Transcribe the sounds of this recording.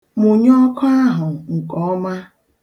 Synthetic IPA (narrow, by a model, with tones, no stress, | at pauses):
mo˨ɲ˦ɔ˦kʰɔ˦a˦ɦʊ˨ŋ̩˨kɔ˨˦ɔ˦ma˦